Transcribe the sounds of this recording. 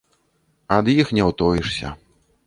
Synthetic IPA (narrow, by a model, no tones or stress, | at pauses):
ɐd̪jixnʲɛwt̪ɔjiʂsʲɐ̰